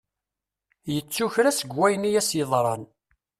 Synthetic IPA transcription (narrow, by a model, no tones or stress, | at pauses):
jət͡sːuçɾæsəɡːæjnijæsjeðˤɾˤɑn